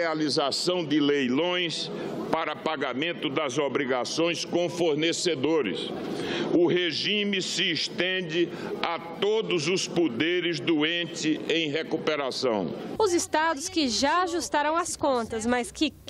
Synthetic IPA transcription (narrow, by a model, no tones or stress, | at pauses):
alizasɐ̃w̃d̪ɪlejlõj̃s | paɾɐpaɡamẽnt̪ʊd̪ɐzobɾiɡasõj̃skõfoɾnesed̪oɾɪ̰s | ʊɦeʒĩmɪsɪːʃt̪ẽd͡ʒ̪ɪ | at̪od̪ʊzʊspod̪eɾɪzd̪uẽt͡ʃ̪ɪẽj̃ɦekupeɾasɐ̰̃w̃ʊzɪst̪ad̪ʊskɪʒaaʒust̪aɾɐ̃w̃ɐskõnt̪ɐzmɐskɪ